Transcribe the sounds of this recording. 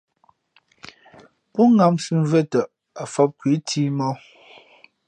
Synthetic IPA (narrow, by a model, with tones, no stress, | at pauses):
pɔ˦ŋa˨msʉ˦m˨vɛ˦tə˨ʔ | a˨fɔ˦p̚kwi˨˦tʰi˦mɔ˦